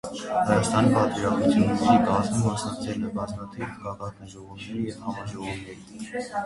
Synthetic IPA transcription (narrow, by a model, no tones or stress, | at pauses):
hɑjɑst̪ɑnipɑt̪viɾɑχut͡sʰjunːɛɾiɡɑzmumːɑsnɑkt͡sʰɛləbɑzmɑt̪ʰivɑkɑt̪uʒɔʁɔvnɛɾijɛvhɑmɑʒɔʁɔvnɛɾi